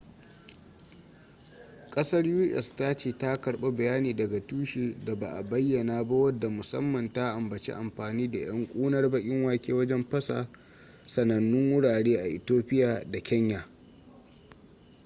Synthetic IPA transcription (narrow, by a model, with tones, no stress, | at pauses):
kʼɐ˦sɐ˦rjuː˦ʔɛ̰˨sta˦t͡ʃeː˦˨ta˦kɐ˨ɽɓa˦bɐ˨jaː˦niː˨dɐ˨ɡa˨tuː˦ʃiː˨da˨ba̰˨ʔa˨bɐ˦jːɐ˨naː˨ba˦wɐ˦dːa˨mʊ˨sɐ̰˦mːɐ˨nta˦ʔa˨mbɐ˨t͡ʃḛ˦ʔa˨mɸaː˨niː˦da˨j̰ɐ˦ŋkʷʼuː˦nɐ˦rbɐ˦kʲʼɪ˦ŋwaː˦kʲeː˦wɐ˦d͡ʒɛ˦mpɐ˦sa̰˨ | sɐ˨nɐ˨nːʊ˦ŋwʊ˦ɽaː˨ɽeː˦ʔa˨ʔɪ˨toː˦ɸɪ˦jaː˨da˨kʲɐ˦ɲjaː˨